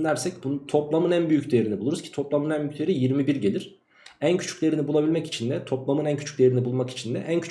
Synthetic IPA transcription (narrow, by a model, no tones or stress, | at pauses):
d̪æɾsɛc̚bunt̪ʰo̞plˠamɯnænbyjycd̪eeɾinibulˠuɾuz̥cʰi̥t̪ʰo̞plˠamɯnænbyct̪ʲeɾijiɾmibiɾɟe̞lʲiɾ̥ | æncʰy̥t͡ʃʰy̥clʲeɾinibulˠabilʲmɛci̥t͡ʃʰind̪ɛt̪ʰo̞plˠamɯnæncʰy̥t͡ʃʰy̥cd̪ejeɾinibulˠmaki̥t͡ʃʰind̪ɛʔæncʰy̥t͡ʃ